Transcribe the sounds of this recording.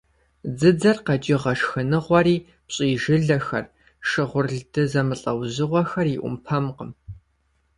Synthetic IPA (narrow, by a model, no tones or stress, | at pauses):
d͡zɨd͡zɐrqɐd͡ʒʼɪʁɐʂxɨnɨʁʷɔɾiː | pɕʼiːʒɪɮɐxɐ̰r | ʂɨʁʷʊrɮdɨzɐmɨɬʼɐwʑɨʁʷɔxɐriʔʷʊ̰mpʰɐmqəm